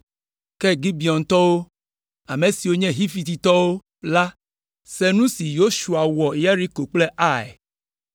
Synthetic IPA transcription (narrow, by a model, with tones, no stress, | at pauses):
kɛ˦ɡi˦bi˨ɔ˨nt̪ɔ˦wo˦ | a˨mẽ˨si˨wo˦ɲɛ̃˦ɦi˦fi˨˦t̪i˨t̪ɔ˦wo˦ | la˦ | sɛ˦nũ˦si˨jo˦ʃu˨a˨wɔ˨ja˦ɾi˦ko˨k͡plɛ˦ʔa˦˨ɛ̰˨